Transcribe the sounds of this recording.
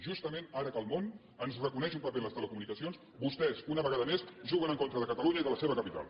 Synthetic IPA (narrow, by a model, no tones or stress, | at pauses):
ʒust̪əmenaɾəkəlˠmon | ənzrəkunɛʃumpəβeləst̪ələkumunikəsions | bust̪ɛzunəβəɣaðəmesʒuɣənəŋkont̪ɾəðəkət̪əluɲəiðələseβəkəpit̪a̰lˠ